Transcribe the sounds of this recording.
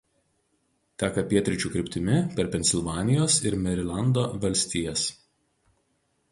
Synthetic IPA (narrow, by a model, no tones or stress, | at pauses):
t̪ʲæːkɐpʲiɛt̪ʲɾʲɪt͡ʃʲuːkɾʲɪpʲt̪ʲɪmʲɪpʲɛɾpʲɛnʲsʲɪlˠʋɑːnʲɪjoːsɪɾmʲɛɾʲɪlʲˠɑnd̪oːʋɐlʲsʲt̪ʲiːjɛs